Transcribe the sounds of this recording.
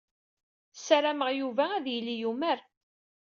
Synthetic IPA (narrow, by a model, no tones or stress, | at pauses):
sæɾæməʁjuvæːðjəlːijumæɾ